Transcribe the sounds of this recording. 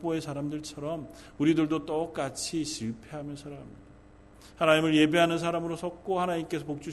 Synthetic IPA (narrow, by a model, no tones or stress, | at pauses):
p͈oe̞sʰaɾamdɯɭt͡ɕʰʌɾʌm | uɾidɯɭdot͈ʌk͈at͡ɕʰiɕʰiɭpʰe̞ɦamjʌnsʰaɾaamida | hanaɲimɯɭje̞beɦanɯns̬ʰaɾamɯɾosʰʌk̚k͈ohanaɲimk͈e̞sʰʌpok̚t͡ɕ͈u